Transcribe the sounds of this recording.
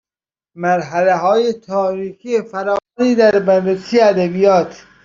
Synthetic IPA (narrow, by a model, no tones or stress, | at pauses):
mæɾɦæleɦɒːjet̪ʰɒːɾiːkʰijefæɾɒːniːd̪æɾbænresiːjeæd̪æbijɒːt̪ʰ